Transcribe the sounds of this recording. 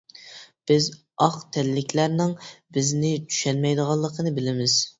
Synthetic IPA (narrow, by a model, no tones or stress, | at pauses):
b̥ɪz | ɑqt̪ʰɛllɪkʲlæɾnɪŋbɪznɪt͡ʃʰy̥ʃɛnmɛjd̪əʁɑlˠːəqʰənɨbɪlɪmɪz̥